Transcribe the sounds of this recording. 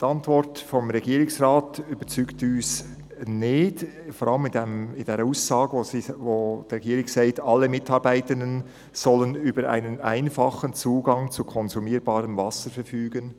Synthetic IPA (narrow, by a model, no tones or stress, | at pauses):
d̥iɑntvɔɾtfɔmɾɛɡiːɾɪŋsʁaːtybət͡syːktyːs | nɪt | fɔɾɑləmɪnemɪndeːɾəuːsːɑːɡozivoːd̥ʁeɡiːɾɪksaɪtʰɑlːəmɪtɑɾbaɪtəndən | z̥ɔlənyːbəɾʔa̰ɪnəna̰ɪnfɑχənt͡suːɡɑŋt͡sukʰɔnzumiːɾbɑːɾəmvɑsəɾfɛɾfyːɡən